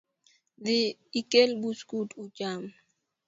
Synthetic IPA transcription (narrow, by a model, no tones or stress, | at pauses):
diikelbuskutud͡ʒam